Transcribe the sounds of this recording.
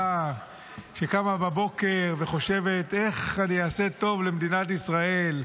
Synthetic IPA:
a | ʃekamababo̞ke̞ʁve̞χo̞ʃe̞ve̞t̪e̞χanijaːse̞t̪o̞vlemd̪inat̪̬isʁae̞l

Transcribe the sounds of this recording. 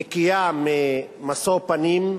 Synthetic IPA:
kijamemasopanim

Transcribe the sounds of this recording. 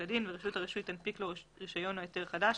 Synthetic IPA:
adinveʁiʃutaʁiʃuit̪anpikloʁiʃajo̞noajot̪e̞ʁχadaʃ

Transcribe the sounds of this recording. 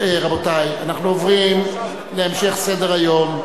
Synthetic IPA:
eʁabotajanaχnuovʁim | leːmʃe̞χse̞deʁajo̞m

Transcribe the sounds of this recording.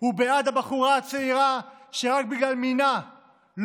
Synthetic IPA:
hubeadabaχuʁaat͡seiʁaʃeʁak̚biɡlalmina | l

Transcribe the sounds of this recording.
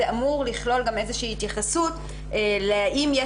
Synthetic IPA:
eamuʁliχlo̞lɡame̞zeʃiːhit̪jaχasut | leʔimje

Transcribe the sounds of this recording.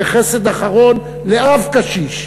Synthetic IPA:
eχese̞d̪aχaʁo̞n | leavkaʃiʃ

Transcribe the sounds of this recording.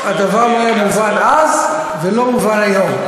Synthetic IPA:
ad̪avaʁmaemuvanaz | velomvaɾajom

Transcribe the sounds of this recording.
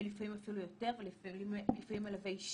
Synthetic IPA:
lifamimafilujo̞te̞ʁvelifilifamimalavejiʃ

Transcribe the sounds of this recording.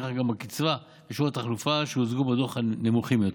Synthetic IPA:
ʁaχɡambakit͡sva | beʃuat̪aχlufaʃeozɡubadoχanemuχimjot

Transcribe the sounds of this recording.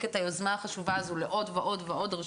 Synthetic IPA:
kethajozmaaχaʃuvaːzuleʔo̞dveʔo̞dveʔo̞d̪ʁ

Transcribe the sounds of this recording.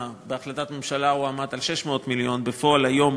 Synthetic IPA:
beaχlat̪at̪me̞mʃalauamat̪alʃeʃmeot̪miljo̞nbefo̞alajo̞m

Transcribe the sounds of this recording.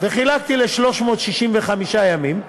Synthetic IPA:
veχilak̚t̪ileʃlo̞ʃmo̞ːt̪ʃiʃimveχamiʃajamim

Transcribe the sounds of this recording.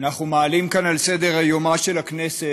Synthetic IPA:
naχumaːlimkanalsed̪eʁhajomaʃelaknese

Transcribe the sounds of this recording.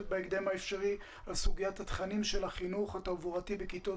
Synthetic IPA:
t̚beeɡd̪e̞maefʃaʁi | alsuɡijat̪hat̪χanimʃelaχinuχat̪avuʁatibekit̪o

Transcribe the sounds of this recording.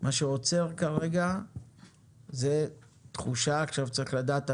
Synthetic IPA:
maʃeot͡se̞ʁkaʁeɡa | ze̞ | t̪χuʃaːχʃavt͡saʁiχlad̪aːt̪a

